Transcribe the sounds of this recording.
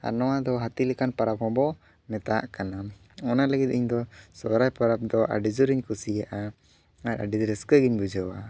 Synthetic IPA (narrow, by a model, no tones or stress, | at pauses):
a̰nɔwad̪ɔɦat̪ilɛkanpaɾap̚hɔ̃bɔ | mɛt̪aʔkana | ɔnaləɡit̪̚iɲd̪ɔsɔɾajpaɾap̚d̪ɔʔa̰ɖid͡ʒuɾiɲkusijaʔa | aɾa̰ɖid͡ʒɾɛskəɡiɲbud͡ʒəwa